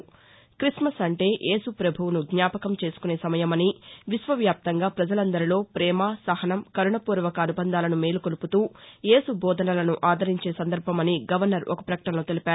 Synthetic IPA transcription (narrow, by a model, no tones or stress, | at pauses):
kɾismɐsɐɳʈe̞ːʔe̞ːsupɾɐbʱuʋunuɡɲaːpɐkɐmt͡ʃe̞ːsu̥kune̞ːsɐmɐjɐmɐniʋisʋɐʋjaːp̚t̪ɐŋɡaːpɾɐd͡ʒɐlɐnd̪ɐɾilo̞ːpɾɛːmaːsɐhɐnɐmkɐɾuɳɐpuːɾʋɐkɐːnubɐnd̪ʱaːlɐnumeːlukoluput̪uːje̞ːsubɔːd̪ʱɐnɐlɐnuʔaːd̪ʱɐɾiɲt͡ʃe̞ːsɐnd̪ɐɾbʱɐmɐniɡɐʋɐɾnɐɾʔɔkɐ̥pɾɐkɐ̥ʈɐnloːt̪elipaːɾu